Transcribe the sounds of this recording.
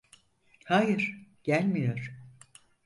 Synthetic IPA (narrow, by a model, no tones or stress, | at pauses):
hajɯɾ̥ɟ̥ælʲmijo̞ɾ̥